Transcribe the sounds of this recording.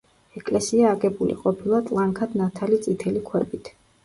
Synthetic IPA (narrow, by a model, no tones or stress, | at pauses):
ɛkʼlɛsiaːɡɛbulḭqʼɔpʰilˠat̪ʼlˠaŋkʰad̪̥nat̪ʰalit̪sʼit̪ʰɛlikʰwɛ̰bit̪ʰ